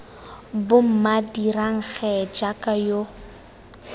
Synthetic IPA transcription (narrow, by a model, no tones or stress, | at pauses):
bʊm̩madiraŋ̩ɣɛd͡ʒakʼajo